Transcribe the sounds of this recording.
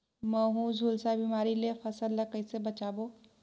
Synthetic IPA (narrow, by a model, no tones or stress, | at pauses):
mɛɦũzʱuːlsabiːmaːɾilefʰɐsəlːəkəɪsebɐt͡ʃaːboː